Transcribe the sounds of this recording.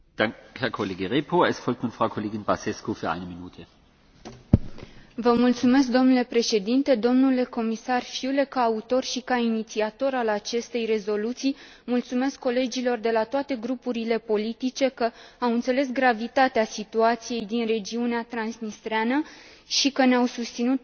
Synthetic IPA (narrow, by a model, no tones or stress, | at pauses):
d̥aŋhɛɐkʰoleːɡəʁeːpʰoɛsfɔlk̚tnuːnfʁ̥aʊkʰoleːɡɪnbasɛskufyɐa̰ɪnəminṵːtʰə | vəmult̪sume̞s̬k̚d̪o̞mnule̞pɾe̞ʃe̞d̪int̪e̞d̪o̞mnule̞ko̞misarfiule̞kaːut̪o̞rʃikainit̪siat̪o̞ɾalat͡ʃe̞st̪e̞jre̞zo̞lut̪sij | mult̪sume̞skːo̞le̞d͡ʒilo̞rd̪e̞lat̪oat̪e̞ɡɾupuɾile̞po̞lit̪it͡ʃe̞kəawɨnt̪se̞le̞s̬ɡɾavit̪at̪easit̪uat̪sije̞jd̪inre̞d͡ʒiuneat̪ɾansnist̪ɾeanə | ʃikəneawsust̪sinut̪̚